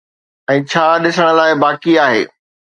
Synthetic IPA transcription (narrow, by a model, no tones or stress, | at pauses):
ɛ̃ːt͡ɕʰaːɗɪsəɽ̃ə̆laːɪbaːkiaːɦḛː